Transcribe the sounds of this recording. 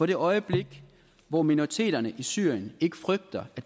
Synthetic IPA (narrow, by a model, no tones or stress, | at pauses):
ɒ̽ɾ̥e̝ʔɒ̽ɪəb̥le̝ɡ̥ | ʋɒminoʁit͡sʰe̝̰ːd̥ɐnəʔisyːɐ̰jəne̝ɡ̥ə̥fʁœɡ̥̚d̥ɐæ̥